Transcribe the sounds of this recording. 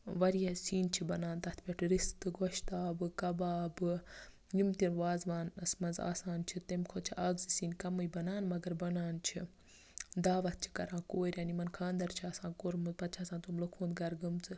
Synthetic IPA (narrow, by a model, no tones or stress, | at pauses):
ʋɐɾijɐsiːnt͡ʃʰibɐnaːnt̪ɐt̪ʰpʲeʈʰɾist̪ɨɡoʃt̪aːbɨkɐbaːbɨ | jimt̪inʋaːzʋaːnɐsmɐnza̰ːsaːnt͡ʃʰit̪emʲkʰoːt͡ʃʰiʔaːɡzisiːnkɐmɨjbɐnaːnmɐɡɐɾbɐnaːnt͡ʃʰḭ | d̪aːʋɐt̪̚t͡ʃʰi̥kɐɾãːkoːɾʲaːnimɐnkʰãːnd̪ɐɾt͡ʃʰiɐsãːkoɾmɨzpɐt̪t͡ʃʰasãːt̪umlokʰuːnd̪ɡɐɾɡɨmt͡sɨ